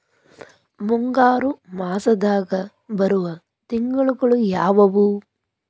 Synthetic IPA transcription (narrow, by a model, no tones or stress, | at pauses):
muŋɡaːɾumaːsɐd̪aːɡɐ | bɐɾuʋɐ | t̪iŋɡɐɭuɡɐɭujaːʋɐʋu